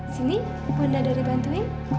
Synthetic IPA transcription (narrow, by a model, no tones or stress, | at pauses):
sini | ɡundadaɾibant̪ui